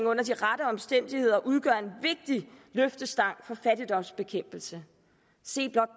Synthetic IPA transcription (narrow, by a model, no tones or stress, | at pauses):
ŋɔ̽n̰ɐd̥iʁadɾəɒ̽msd̥en̰d̥ihe̝ð̞̰ˠɐʔuð̞ˠɡ̥ɶɐ̰e̝nʋe̝ɡ̥̚d̥iløfd̥əsd̥ɑ̈ŋ̰fɒ̽fæd̥id̥ɒ̽msb̥e̝kʰem̰b̥l̩sə | se̝̰ːb̥lɒ̽d̥̚